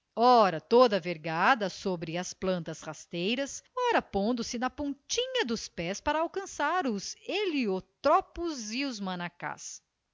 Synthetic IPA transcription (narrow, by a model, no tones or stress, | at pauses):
ɔɾɐt̪od̪ɐveɾɡad̪ɐsobɾɪɐsplɐ̃nt̪ɐshast̪ejɾɐsɔɾɐpõnd̪ʊsɪnɐpõnt͡ʃĩɲɐd̪ʊspɛspaɾɐawkɐ̃saɾʊzeliot̪ɾɔpʊzɪʊzmɐ̃naka̰s